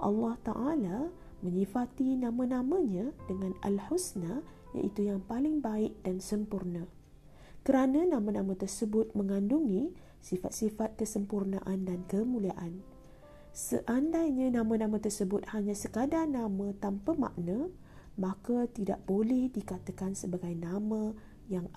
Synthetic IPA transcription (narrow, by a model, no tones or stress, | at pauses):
ʔɑ̰lːɑht̪a̰ʔala | mə̃ɲĩfat̪inãmə̃nãmə̃ɲãdəŋãna̰lhusna | ja̰ʔit̪ujaŋpalɪŋbaɪk̚dansəmpurnã | kəɾanãnãmãnãmə̃t̪ərsəbʊt̪̚mə̃ŋanduŋĩ | sifat̪̚sifat̪̚kəsəmpurna̰ʔandankəmũliaʔan | sə̰ʔandajɲãnãmə̃nãmə̃t̪ərsəbʊt̪̚haɲãsəkadanãmə̃t̪ampəma̰ʔnə̃ | makat̪ida̰ʔb̥olɛhdikat̪əkansəbaɡajnamə̃ | jaŋ